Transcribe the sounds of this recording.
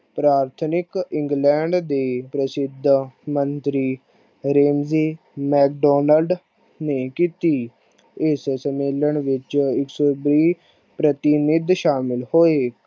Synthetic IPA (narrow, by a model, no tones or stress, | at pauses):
pɾaːɾt̪ʰnɪkɪ̃ŋɡlɛːɳɖd̪eːpɾəsɪd̪ʱmənt̪ɾiː | ɾeːmziː | mɛːk̚ɖɔːnəlɖ | neːkiːt̪iː | ɪssəmeːləɳʋɪt͡ʃɪksoːbɾiː | pɾət̪ɪnɪd̪ʃaːmɪlhoːeː